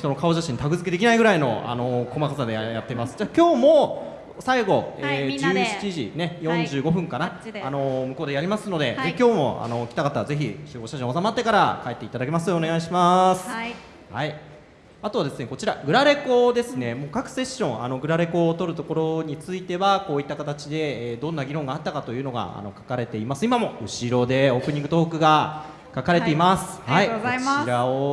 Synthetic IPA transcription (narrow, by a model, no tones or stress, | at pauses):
ç̥it̪o̞no̞kao̞ʑaɕĩnt̪aɡɯ̟zɨke̞d̪ekʲinaiɡɯɾaino̞̰a̰no̞ko̞makasad̪ejat̪ːemasɨ̥d͡ʑaːkʲo̞ːmo̞ | saiɡo̞eːd͡ʑɨːɕi̥t͡ɕiʑḭne̞jõ̞ɲ̟d͡ʑɨːɡo̞ɸɯ̟̃ŋkanaːno̞mɯ̟ko̞ːd̪e̞jaɾʲimasɨno̞d̪e̞ekʲo̞ːmo̞̰a̰no̞kʲi̥t̪akat̪aze̞çiɕɨːɡo̞ɕaʑõːsamat̪ːe̞kaɾa̰kaet̪ːe̞it̪ad̪ak̬ʲe̞masɨo̞neɡaiɕimasɨ̥ | hai | at̪o̞βad̪e̞sɨne̞kot͡ɕiɾaɡɯ̟ɾaɾe̞ko̞d̪e̞sɨne̞mo̞ːkakɯ̟̥se̞ɕːõ̞ŋa̰no̞ɡɯ̟ɾaɾe̞ko̞ːt̪o̞ɾɯ̟t̪o̞ko̞ɾo̞ɲ̟it͡sɨit̪e̞βako̞ːit̪ːakat̪at͡ɕid̪e̞d̪õ̞nːaɡʲiɾõ̞ŋɡaːt̪ːakat̪o̞jɯ̟ːno̞ɡa̰a̰no̞̰kḁkaɾe̞t̪e̞imasɨimamo̞ɯ̟ɕiɾo̞d̪e̞o̞ːpɯ̟ɲ̟ĩŋɡɯ̟t̪o̞ːkɯ̟ɡa | kakaɾe̞t̪e̞imasɨ̥haiiɾao